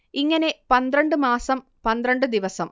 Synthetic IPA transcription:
iŋːɐne̞pɐnd̪ɾɐɳɖɨmaːsɐm | pɐnd̪ɾɐɳɖɨd̪iʋɐsɐm

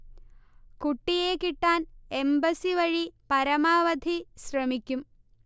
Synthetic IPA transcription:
kuʈːijeːkiʈːaːne̞mbɐsiʋɐɻipɐɾɐmaːʋɐd̪ʱiɕrɐmikʲːum

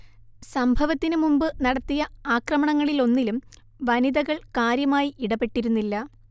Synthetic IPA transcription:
sɐmbʱɐʋɐt̪ːinɨmumbɨnɐɽɐt̪ːijɐaːkrɐmɐɳɐŋːɐɭilo̞nːilum | ʋɐniðɐɣɐɭkaːɾjɐmaːjiʔiɽɐpːe̞ʈːiɾunːilːɐ

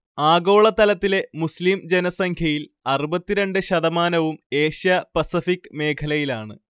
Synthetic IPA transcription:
aːɡo̞ːɭɐt̪ɐlɐt̪ːile̞muslimd͡ʑenɐsɐŋkʰjɐjilɐrubɐt̪ːiɾe̞ɳɖɨɕɐðɐmaːnɐʋume̞ːɕjɐpɐsifikːɨme̞ːkʰɐlɐjilaːɳɨ

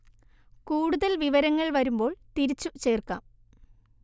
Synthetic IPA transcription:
kuːɽuðɐlʋiʋɐɾɐŋːɐɭʋɐɾumbo̞ːɭt̪iɾit͡ɕːut͡ɕe̞ːrka̰ːm

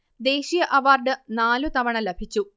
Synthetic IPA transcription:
d̪e̞ːɕijɐʔɐʋaːrɖɨnaːlut̪ɐʋɐɳɐlebʱit͡ɕːu

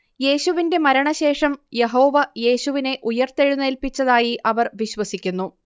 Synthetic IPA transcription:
je̞ːɕuʋinde̞mɐɾɐɳɐɕe̞ːʂɐmje̞ɦo̞ːʋɐje̞ːɕuʋine̞ʔujɐrt̪eɻunːeːlpit͡ɕːɐðaːjiʔɐʋɐrʋiɕwɐsikʲːunːu

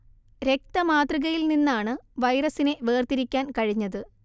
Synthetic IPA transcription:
ɾe̞k̚t̪ɐmaːt̪riɣɐjilninːaːɳɨʋɐjɾɐsine̞ʋeːrt̪iɾikʲːaːnkɐɻiɲːɐðɨ

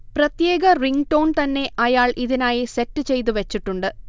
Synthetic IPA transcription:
prɐt̪jeːɣɐriŋɡʈo̞ːnt̪ɐnːe̞ʔɐjaːɭʔiðinaːjisetːɨt͡ɕe̞jt̪̬uʋɐt͡ɕːiʈːuɳɖɨ

